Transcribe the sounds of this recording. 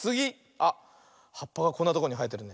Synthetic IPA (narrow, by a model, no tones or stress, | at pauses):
t͡sɨɡʲi | a | hapːaɡako̞nːat̪okooɲ̟iɦait̪ːe̞ɾɯ̟ne